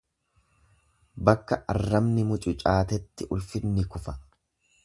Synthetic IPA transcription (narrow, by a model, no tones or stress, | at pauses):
bɐkːɐʔɐrːɐmnɪmʊt͡ʃʼʊt͡ʃʼaːt̪ɛt̪ːɪʔʊlfɪnːɪkʊfɐ